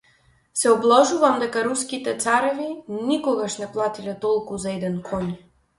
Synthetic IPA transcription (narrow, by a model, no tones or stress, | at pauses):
sɛɔblˠɔʒuvamd̪ɛkaɾuskit̪ɛt̪saɾɛvinikɔɡaʃnɛplˠat̪ilɛt̪ɔlˠkuzaɛd̪ɛnkʰɔɲ